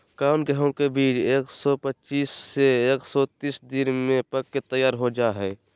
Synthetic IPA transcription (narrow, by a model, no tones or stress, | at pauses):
kaʊnɡəɦõkebiːt͡ʃeːksɔpət͡ʃiːsːeeːksɔt̪iːsd̪ɪnmẽpəkːet̪əjaːɾɦod͡ʒaɦɛː